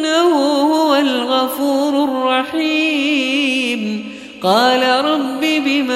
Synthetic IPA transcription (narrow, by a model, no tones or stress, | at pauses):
nahʊhʊwalɣɑfuːɾʊrˤːɑħi | m | qɑːlaɾˤɑbːibɪma